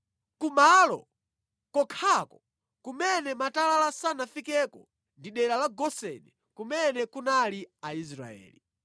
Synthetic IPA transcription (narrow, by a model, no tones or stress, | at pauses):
kumalɔ̰ | kɔkʰakɔ | kumɛnɛmatalalasanafikɛkɔ | ndiɗɛɾalaɡɔsɛ̰nɛ | kumɛnɛkunaliaiz̬ɾa̰ɛ̰ːli